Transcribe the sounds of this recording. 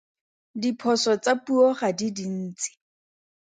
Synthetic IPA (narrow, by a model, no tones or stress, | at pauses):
dipʰɔsɔt͡sapuɔχadidin̩ːt͡sʼi̥